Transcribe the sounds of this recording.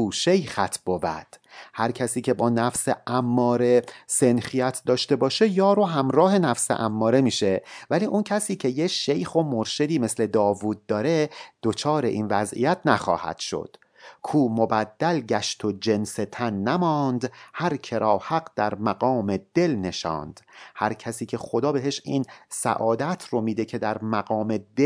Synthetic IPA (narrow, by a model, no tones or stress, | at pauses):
uːʃejxæt̪ʰb̥ovæ̰d̪̥hæɾcʰæsiːcʰʲe̞bɒːnæfseʔæmːɒːɾe̞se̞nxijæt̪ʰd̪ɒːʃt̪e̞bɒːʃe̞jɒːɾoɦæmɾɒːɦe̞næfsḛʔæmːɒːɾe̞miːʃe̞væliːʔuncʰæsiːcʰe̞jeʃe̞jxo̞moɾʃed̪iːme̞sle̞d̪ɒːvuːd̪̚ːɒːɾe̞d̪̥o̞t͡ʃʰɒːɾe̞ʔiːnvæzʔḭjæt̪ʰnæxɒ̰ːhæ̰d̪̥ʃo̞̰d̪̥ | kʰuːmo̞bæd̪ːælɟæʃt̪ʰod͡ʒe̞nset̪ʰænːæmɒːnd̪hæɾcʰe̞ɾɒːhæɡd̪̥æɾmæɡɒːmed̪̥e̞lne̞ʃɒ̰ːnd̪̥hæ̰ɾcʰæsiːcʰe̞xo̞d̪ɒːbe̞ɦe̞ʃinsæ̰ʔɒːd̪æt̪ʰromiːd̪e̞cʰe̞d̪æɾmæɣɒːme̞d̪e